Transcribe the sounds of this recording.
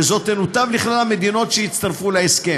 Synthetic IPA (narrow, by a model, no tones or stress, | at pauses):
ezo̞t̪ːenut̪avliχlalame̞d̪ino̞t̪ʃejit̪t͡st̪aʁfulaeske